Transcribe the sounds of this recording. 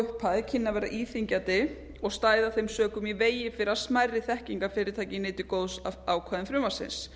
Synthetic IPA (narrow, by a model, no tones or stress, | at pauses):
ʏhpʰaðcʰɪnːavɛːɾa̰ʔiːθiɲcat̪ɪ | ɔɣst̪aːjðaθejmsœːkʏmiveːjɪfɪɾɪɾasmajrːɪθɛhciŋkafɪːɾɪt̪ʰaːjcɪnɪːt̪ɪkoːwðsaaːwkʰaðɪnfɾʏmvḁsɪ̰ns